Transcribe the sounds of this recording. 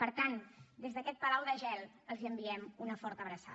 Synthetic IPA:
pəɾt̪and̪ezðəkɛt̪̚pəlawðəʒɛlˠ | əlˠziəmbiɛmunəfɔɾt̪əβɾəsa̰

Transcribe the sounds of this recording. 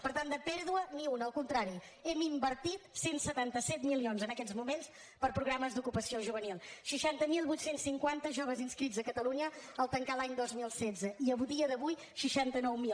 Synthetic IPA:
pəɾt̪and̪əpɛɾðuəniunəlˠkunt̪ɾaɾiɛmimbəɾt̪it̪sensət̪ant̪əsɛt̪milionzənəkɛd͡zmumens | pəɾpɾuɣɾaməzd̪ukupəsioʒuβənilˠʃiʃant̪əmilˠβujt̪sensːiŋkwant̪əʒoβ̞əzinskɾid͡zzəkət̪əluɲəəlˠt̪əŋkalˠaɲd̪ozmilˠsɛzəiəβuðiəðəβuj | ʃiʃant̪ənɔwmil

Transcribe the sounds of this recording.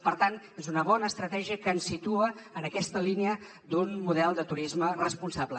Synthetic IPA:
pəɾt̪an | ezunəβɔnəːst̪ɾət̪ɛʒiəkənsːit̪uəːnəkɛst̪əlineə | d̪unmuð̞ɛlˠd̪ət̪uɾizmərəspunsablə

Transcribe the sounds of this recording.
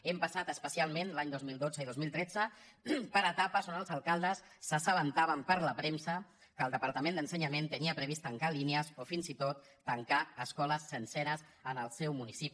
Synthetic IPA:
empəsat̪əspəsialˠmẽnlaɲd̪ozmilˠd̪od͡zəiðozmilˠt̪ɾɛd͡zəpəɾət̪apəsonəlˠzəlˠkalˠd̪əsːəsəβənt̪aβəmpəɾləpɾemsə | kəlˠd̪əpəɾt̪əmẽnd̪ənsəɲəment̪əniəpɾəβ̞ist̪əŋkalineəzofinzit̪ot̪ːəŋkaəskɔləsːənsɛɾəz | ənəlˠsɛwmunisipi

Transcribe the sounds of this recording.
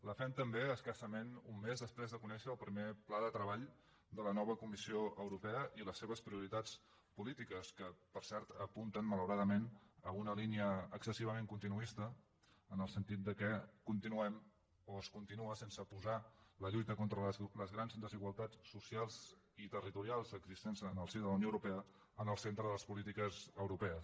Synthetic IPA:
ləfɛmt̪əmbeəskasəmenumːezðəspɾezðəkunɛʃəːlˠpɾimeplaðət̪ɾəβaʎ | d̪ələnɔβ̞əkumisioʔəwɾupɛəʔiləsːeβ̞əspɾiuɾit̪at͡s | pulit̪ikəskəpəɾsɛɾt̪əpunt̪ənmələwɾaðəmenəunəliniəːksəsiβ̞əmeŋkunt̪inuist̪əː | nəlˠsənt̪it̪̚d̪əkɛkunt̪inuɛm | oəskunt̪inuəsensəpuzaləʎujt̪əkont̪ɾəlləzɣɾanzd̪əziɣwəlˠt̪at͡ssusialˠz | it̪ərit̪uɾialˠzəɡzist̪ɛnzənəlˠsiðələwnioəwɾupɛə | ənəlˠsent̪ɾəðələspulit̪ikəzəwɾupɛəs

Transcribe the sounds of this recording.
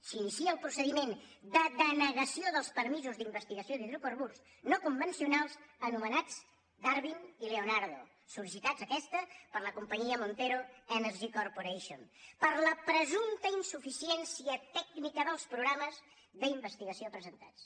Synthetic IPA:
sinisiəːlˠpɾusəðimend̪əd̪ənəɣəsioðəlˠspəɾmizuzd̪imbəst̪iɣəsioðiðɾukoɾβuɾz | nokumbənsiunalˠzənumənad͡z | d̪aɾβinileonaɾðo | sulis̬it̪ad͡zəkɛst̪əpəɾləkumpəɲiəmunt̪eɾoənəɾʒikorpuɾeʃionpəɾləpɾəzunt̪əinsufisiɛnsiət̪ɛknikəðəlˠspɾuɣɾaməz | ðəimbəst̪iɣəsiopɾəzənt̪at͡s

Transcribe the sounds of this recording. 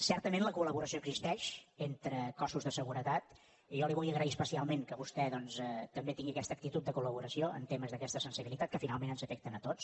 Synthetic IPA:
sɛɾt̪əmẽnləkuləβuɾəsijoəɡzist̪ɛʃent̪ɾəkɔsuzðəsəɣuɾət̪at̪ | ʒɔliβɔjəɣɾəiəspəsialˠmeŋkəβust̪ɛðɔnsɛt̪əmbet̪iŋɡiəkɛst̪əːk̚t̪it̪ut̪̚əkuləβuɾəsioə̰nt̪eməzðəkɛst̪əsənsiβilit̪at̪̚kəfinalˠmẽnənzəfɛk̚t̪ənət̪ot͡s

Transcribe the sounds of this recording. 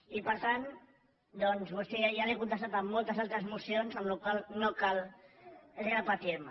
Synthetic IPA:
ipəɾt̪an | d̪ɔnzβust̪ejalekunəst̪at̪əmːolˠt̪əzalˠt̪ɾəzmusionzəmlukwalˠnokal | ezɾəpət̪iɾmə

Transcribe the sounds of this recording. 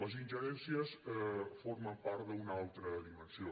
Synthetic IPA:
əzinʲʒəɾɛnsiəsəforməmpaɾt̪d̪əunalˠt̪ɾəðimənsio

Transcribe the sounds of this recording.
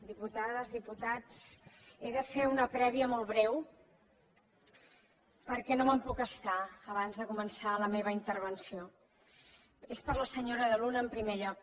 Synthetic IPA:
d̪iput̪aðəzðiput̪at͡seðəfeunəpɾɛβ̞iəmolˠβɾɛw | pəɾkɛnoməmpukəst̪aəβ̞anzðəkumənsaləmeβəint̪əɾβ̞ənsio | espəɾləsəɲoɾəðəlunəːmpɾimeʎɔk̚

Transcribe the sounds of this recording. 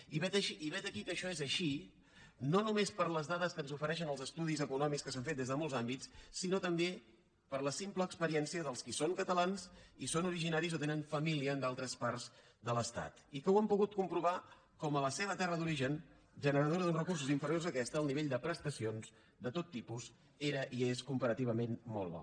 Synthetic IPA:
iβɛt̪əʃiʔːβɛt̪əkikəʃɔezəʃi | nonumespəɾləzðaðəskənzufəɾɛʃ̬ənəlˠzəst̪uð̞izəkunɔmikskəs̬aɱfet̪̚ezðəmolˠzambitt͡ssːinot̪əmbe | pəɾləsimpləːkspəɾiɛnsiəðəlˠskisoŋkət̪əlanzisonuɾiʒinaɾizot̪enəɱfəmiliəːnd̪alˠt̪ɾəspaɾz | ðələst̪a̰t̪ikəwəmpuɣut̪̚kumpɾuβa | kɔmələsɛβət̪ɛrəðuɾiʒən | ʒənəɾəðoɾəðunrəkurs̬uziɱfəɾiozəkɛst̪əːlˠniβeʎd̪əpɾəst̪əsionz | d̪ət̪ot̪ːipuz | eɾəʔieskumpəɾət̪iβ̞əmenmo̰lˠβɔ̰

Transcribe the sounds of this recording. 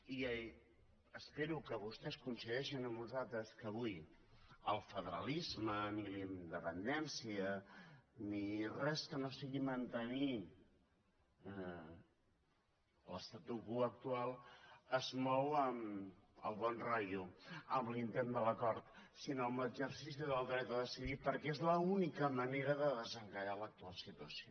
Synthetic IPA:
i | əspeɾukəβust̪ɛskunsəðɛʃinəmnuzalˠt̪ɾəskəβuj | əlˠfəðəɾəlizmənilind̪əpənd̪ɛnsiə | nirɛskənosiɣimənt̪əni | ləst̪at̪uɣuək̚t̪ualˠəzmɔwəmə̰lˠβɔnrajuəmlint̪end̪ələkɔɾt̪sinoəmləzəɾsis̬iðəlˠd̪ɾɛt̪əðəsiðipəɾkɛezləunikəməneɾəðəðəzəŋkəʎalək̚t̪ualˠsit̪uəsio

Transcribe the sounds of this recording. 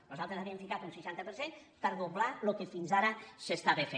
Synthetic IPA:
nuzalˠt̪ɾezaβiemfikat̪unsiʃant̪əpəɾsenpəɾðoβlalokefinzaɾəsest̪aβefe

